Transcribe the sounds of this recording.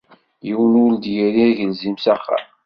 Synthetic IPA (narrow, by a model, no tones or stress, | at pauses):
jəwnuld̪jiɾiæʝəlzimsæχːa̰ɾ